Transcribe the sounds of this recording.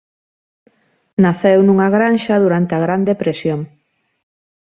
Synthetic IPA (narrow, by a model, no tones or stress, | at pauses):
naθewnuŋaɣɾanʃɐðuɾant̪eaɣɾand̪epɾesjoŋ